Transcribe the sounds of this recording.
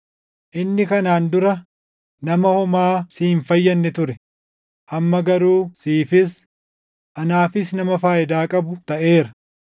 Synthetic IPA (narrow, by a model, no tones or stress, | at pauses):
ʔɪnːɪkɐnaːnd̪ʊɾɐ | nɐmɐhɔmaːsiːɱfɐjːɐnːɛt̪ʊɾɛ | ʔɐmːɐɡɐɾuːsiːfɪs | ʔɐnaːfɪsnɐmɐfaːʔɪd̪aːkʼɐbʊt̪ɐʔe̞ːɾɐ